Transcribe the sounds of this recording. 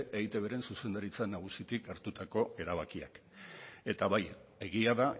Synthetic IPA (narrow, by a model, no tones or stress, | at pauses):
ʔejt̪e̞β̞e̞ɾe̞nsuse̞nd̪aɾit͡sanaɣ̞usit̪ikaɾt̪ut̪ako̞e̞ɾaβakia̰k | e̞t̪aβaje̞ɣiaða